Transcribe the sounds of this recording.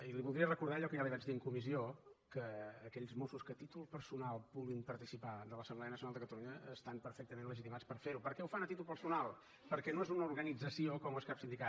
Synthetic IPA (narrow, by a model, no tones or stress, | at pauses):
iliβulˠd̪ɾiərəkuɾðaəʎɔkəjaðiβɛzd̪iŋkumiziokəːkɛʎzmosuskət̪it̪ulˠpəɾsunalˠpulinpəɾt̪isipad̪ələsəmblɛənəsiunalˠd̪əkət̪əluɲəːst̪ampəɾfɛk̚t̪əmẽnləʒit̪imat͡spəɾfeɾupəɾkɛufanət̪it̪ulˠpəɾsunalˠ | pəɾkɛnoezunəuɾɣənid͡zəsiokɔmeskapsind̪ika